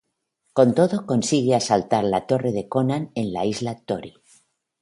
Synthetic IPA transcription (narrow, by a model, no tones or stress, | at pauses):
ko̞nt̪o̞ðo̞ko̞nsiɣeasalt̪aɾlat̪o̞re̞ðe̞ko̞nane̞nla̰izlat̪o̞ɾi